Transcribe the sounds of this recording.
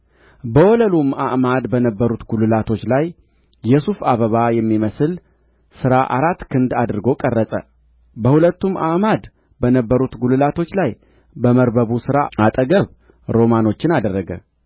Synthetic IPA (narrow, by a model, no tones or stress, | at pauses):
bəwɔləlumaʔmad̪bənəbːəɾut̪ɡulɨlat̪ʰo̞t͡ʃːlaj | jɛsufaβəβajɛmːiməsɨl | sɨɾaʔaɾat̪ːkʰɨnd̪ad̪ɨɾɨɡo̞kʼərːəsʼə̰ | bəhulət̪ːuma̰ʔmad̪ | bənəbːəɾut̪ɡulɨlat̪ʰo̞t͡ʃːlaj | bəməɾbəβusɨɾaat̪ʼəɡəβ | ɾo̞mano̞t͡ʃːɪnad̪ərːəɡə̰